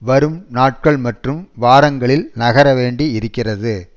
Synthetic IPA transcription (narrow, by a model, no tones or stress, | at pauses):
ʋɐɾɯmnaːʈ̚kɐɭmɐʈrɯmʋaːɾɐŋɡɐɭɪlnɐɣɐɾɐʋeːɳɖiɪɾɯkːɪrɐðɯ